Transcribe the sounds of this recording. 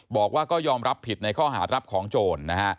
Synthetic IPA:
bɔː˨˩k̚waː˥˩kɔː˥˩jɔː˧mɾa˦˥pʰːi˨˩t̪̚na˧jkʰɔː˥˩ɦaː˩˦ɾa˦˥p̚kʰɔː˩˦ŋt͡ɕoː˧nːa˦˥kʰa˦˥ʔ

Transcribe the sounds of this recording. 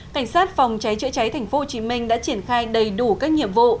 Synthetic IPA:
ka˧˩jŋ̟saː˦˥t̚fwŋ͡mt͡ɕa˨˦jt͡ɕɨ̰˧˥t͡ɕa˨˦jt̪ʰa˨˩ŋ̟fo˨˦ho˨˩t͡ɕi˨˦mï˧ŋ̟ɗa̰ː˧˥t͡ɕi˧˩ənxaː˧jɗə˨˩jɗu˧˩kaː˦˥k̚ɲḭ˧˨əmvṵ˧˨

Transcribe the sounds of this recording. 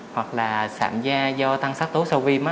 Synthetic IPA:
hwa˨˩k̚laː˨˩sa̰ː˧˩mzaː˧zɔ˧t̪a˧ŋsa˦˥k̚t̪u˨˦sə˧wvi˧ma˨˦

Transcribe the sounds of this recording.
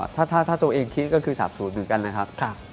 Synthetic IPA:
t̪ʰaː˥˩t̪ʰaː˥˩t̪ʰaː˥˩t̪u˧ʔeː˧ŋkʰi˦˥kɔː˥˩kʰɯː˧saː˨˩˦p̚suː˩˦nmɯ˨˩˦ka˧nːa˦˥kʰa˦˥p̚k̚ʰ

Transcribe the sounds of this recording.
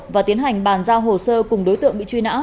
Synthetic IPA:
vaː˨˩t̪i˨˦ənɦa˨˩jŋ̟ɓaː˨˩nzaː˧wɦo˨˩səː˧kʊ˨˩ŋ͡mɗo˨˦jt̪ɨ̰˧˨əŋɓḭ˧˨t͡ɕwi˧na̰ː˧˥

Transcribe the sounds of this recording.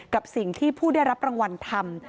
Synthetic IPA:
ka˨˩p̚si˨˩ŋt̪ʰiː˥˩pʰuː˥˩da˥˩jɾa˦˥p̚ɾa˧ŋwa˧nt̪ʰa˧m

